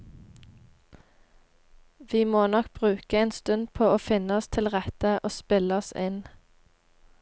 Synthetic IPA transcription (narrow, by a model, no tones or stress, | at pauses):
ʋiːmoːnɔk̚b̥ʁʉːkəeːnst̪ʉnd̪pʰoːoːfɪnəɔst̪ʰɪlʁɛt̪əʔoːspɪləɔsɪn